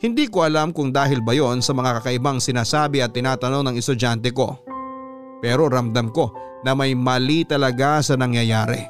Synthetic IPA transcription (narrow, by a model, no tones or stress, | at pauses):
hɪnd̪iːkoʔɐlamkʊŋd̪aːɦɪlbɐjo̞nsɐmɐŋakɐkɐʔɪbaŋsɪnaːsaːbɪʔɐt̪ːɪnaːt̪ɐno̞ŋnɐŋɛst̪ʊd͡ʒant̪ɛko̞ | pɛːɾo̞ɾɐmd̪ɐmko̞ | nɐmɐjmɐlit̪ɐlɐɡasɐnɐŋjɐjaːɾɛ̰